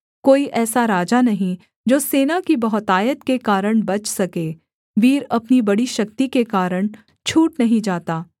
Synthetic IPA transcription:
koːiʔɛːsaɾaːd͡ʒanɐɦĩ | d͡ʒoːseːnakibɐɦʊt̪aːjət̪kekaːɾəɽ̃bɐt͡ʃʰsɐkeː | ʋiːɾɐpnibɐɽiʃɐkt̪ikekaːɾəɽ̃ | t͡ʃʰuːʈnɐɦĩd͡ʒaːt̪aː

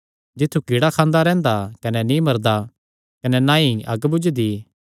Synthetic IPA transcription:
d͡ʒɪt̪ʰːukiɽakʰãːnd̪aɾɛ̃ːnd̪akɐnɛnĩmɐɾd̪a | kɐnɛnãːiɐɡbʊd͡ʒd̪i

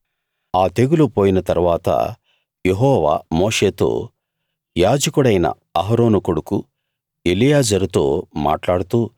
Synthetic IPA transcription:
aːt̪e̞ɡulupo̞ːjinɐt̪ɐɾuʋaːt̪ɐ̰ | jeɦɔːʋa̰ːmoːʂe̞ːt̪o̞̰ː | jaːd͡ʒɐkuɽɐjnɐ̰ | ɐɦɐɾo̞ːnukoɽuku | elijaːd͡ʒɐɾut̪o̞ːma̰ːʈlaːɽut̪uː

